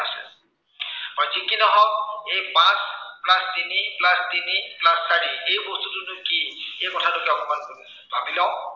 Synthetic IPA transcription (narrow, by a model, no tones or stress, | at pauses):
asḛ | pɔjd͡ʒikinɔɦɔkepãsplast̪iniplast̪iniplaskaɽiejbost̪utunukiekɔtʰalokeɔpɔmankoɾi | abilɔ